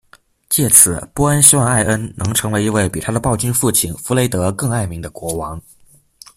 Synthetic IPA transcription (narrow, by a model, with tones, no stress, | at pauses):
t͡ɕjɛ˥˩t͡sʰɹ̩˨˩˦pu˥ə˥nɕi˥wɑ˥˧ŋa˥˩ɪʔə˥nnʔɤ˧˥ŋʈ͡ʂʰɤ˧˥ŋwe˧˥ɪi˧˥we˥˩ɪpi˨˩t̪ʰa˥d̪ə˨pɑ˥˩ʊt͡ɕy˥nfu˥˩t͡ɕʰi˨˩nfu˧˥le˧˥ɪt̪ɤ˧˥kɤ˥˧ŋa˥˩ɪmi˧˥ŋd̪ə˧kwɔ˧˥wɑ˧˥ŋ